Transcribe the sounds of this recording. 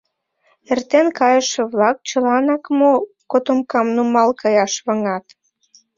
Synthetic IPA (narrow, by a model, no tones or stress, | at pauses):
ert̪enkɑjəʃĕβlɑk̚t͡ɕə̆lɑnɑkmo | kot̪omkɑmnumɑlkʰɑjɑʃβɑŋɑt̪